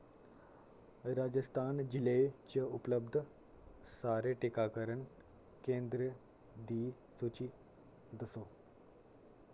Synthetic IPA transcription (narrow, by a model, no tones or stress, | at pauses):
ɾad͡ʑəst̪ʰand͡ʑilejt͡ɕeupləb̚d̪ʱə | saɾeʈikakəɾəɳ | kẽnd̪ɾə | d̪i | sut͡ɕiː | d̪əso